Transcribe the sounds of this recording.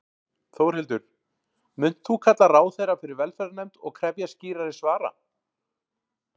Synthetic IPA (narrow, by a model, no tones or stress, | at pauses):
θowɾhɪlt̪ʏɾ̥ | mʏn̥t̪θukʰat̪laraːwθejɾafɪɾɪɾvɛlfɛɾnɛjmt̪ɔɣkʰɾɛpjasciːɾaɾɪsvaːɾa̰